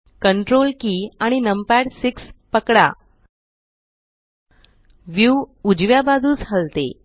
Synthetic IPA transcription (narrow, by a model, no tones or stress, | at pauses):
kəɳʈɾolkiːaɽ̃inəmpæɽsikspəkɽa̰ | ʋjuud͡ʑʋjabad̪ʱuːd͡zɦəlt̪ḛ